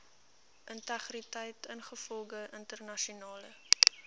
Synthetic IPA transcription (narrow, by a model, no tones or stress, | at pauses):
ʔəntɐχritəjtənχəfɔlˠɡəʔəntərnɐʃiunɑːlə